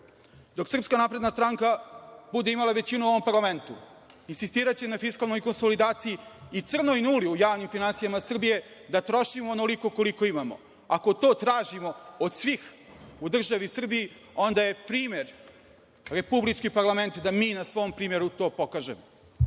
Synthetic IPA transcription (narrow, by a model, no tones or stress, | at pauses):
d̪o̞ksr̩pskanapɾe̞d̪nast̪ɾaŋkabud̪eimalˠaʋe̞t͡ɕinuo̞ʋompaɾlˠame̞nt̪u | insist̪iːɾat͡ɕenafiskalnojko̞nsolid̪aːt̪sijiːt̪sr̩nojnuːliujaːʋnimfinansijamasr̩bije̞d̪at̪ɾo̞ʃimoːnoliko̞ko̞liko̞imamo̞̰ | akot̪o̞ːt̪ɾaːʒimo̞od̪sʋix | ud̪r̩ʒaʋisr̩biji | o̞nd̪aje̞pɾiːme̞ɾ | ɾe̞publit͡ʃkipaɾlˠame̞nt̪d̪amiːnasʋo̞mpɾiːmjeɾut̪o̞ːpo̞kaːʒemo